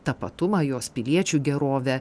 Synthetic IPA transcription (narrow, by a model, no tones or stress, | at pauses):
t̪ɐpɐ̰t̪ʊmɐjoːspʲɪlʲiɛt͡ʃʲuːɡʲɛɾoːʋʲɛ